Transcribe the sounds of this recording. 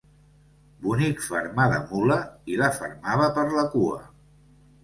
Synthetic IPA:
bunikfə̰ɾmaðə̰muləilafə̰ɾmaβəpəɾləkuə̰

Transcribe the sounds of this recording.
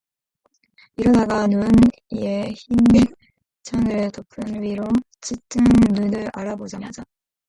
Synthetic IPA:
iɾʌdaɡanun | ieçimːi | t͡ɕʰaŋɯɭtopʰɯnɥiɾo | t͡ɕit͈ɯnnunɯɾaɾabod͡ʑamad͡ʑa

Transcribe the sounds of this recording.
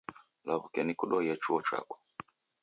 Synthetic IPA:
laβukɛnikuɗɔjat͡ʃuɔt͡ʃa̰kɔ̥

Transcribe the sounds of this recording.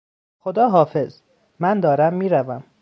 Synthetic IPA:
xo̞d̪ɒːɦɒːfe̞z | mænd̪ɒːɾæmːiːɾævæm

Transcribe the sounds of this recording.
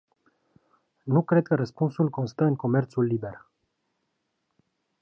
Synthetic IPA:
nukɾe̞d̪̚kəɾəspunsulko̞nst̪əɨŋko̞me̞rt̪sulːibe̞r

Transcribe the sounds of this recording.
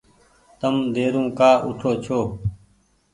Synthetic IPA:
t̪əmd̪eːɾũːkaːʔʊʈʰoːt͡ʃʰoː

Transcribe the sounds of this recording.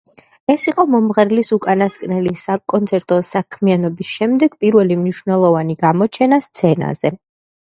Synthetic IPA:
ɛsiqʼɔmɔmʁɛɾlisukʼanaskʼnɛlisakʼɔnt̪sʰɛɾt̪ʼɔsakʰmianɔbisʃɛmd̪ɛɡ̥pʼiɾvɛlimniʃvnɛlˠɔvaniɡamɔt͡ʃʰɛnast̪sʰɛna̰z̥ɛ

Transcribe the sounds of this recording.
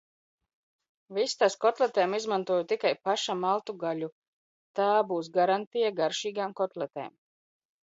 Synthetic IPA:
vist̪askɔt̪lˠet̪ɛːmizmant̪uɔjut̪ikajpaʃamalˠt̪uɡalʲu | t̪aːbuːsɡaɾant̪ijaɡaɾʃiːɡaːmkɔt̪lˠɛt̪ɛ̰ːm

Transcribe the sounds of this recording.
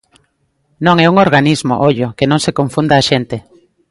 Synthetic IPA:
nõŋɛuŋoɾɣanizmo̰ʔoʎʊkenõŋsekoɱfund̪aːʃent̪e

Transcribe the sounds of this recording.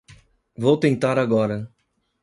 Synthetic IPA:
vowt̪ẽnt̪aɾaɡɔɾɐ

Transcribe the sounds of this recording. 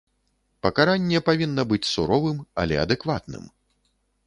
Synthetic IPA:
pɐkaɾanʲːɛpavʲinːɐbɨt͡sʲsuɾɔvɨmɐ̰lʲɛ̰ɐ̰d̪ɛkvat̪nɨ̰m

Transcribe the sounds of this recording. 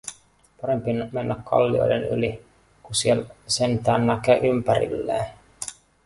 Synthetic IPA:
pɑɾe̞mpinmenːækːʰɑ̰lːio̞̰jdeny̰li | kusielsent̪æːnːækøʔympæɾḭlːḛːn

